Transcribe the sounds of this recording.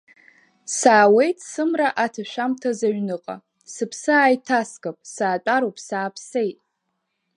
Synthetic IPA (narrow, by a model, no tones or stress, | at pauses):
saːwe̞jtʼsɨmraʔatʰaʃᶣamtʰazaɥnɨqʼa̰ | sɨpʰsɨaːjtʰaskapʼsaːt͡ʃʼaɾopʼsaːpʰse̞jtʼ